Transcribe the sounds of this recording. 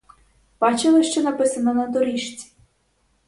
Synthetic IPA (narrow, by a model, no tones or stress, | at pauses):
b̥ɑt͡ʃɪlˠɪʃt͡ʃɛnɐpɪsɐnɔnɐd̪ɔɾʲiʃt͡sʲi̥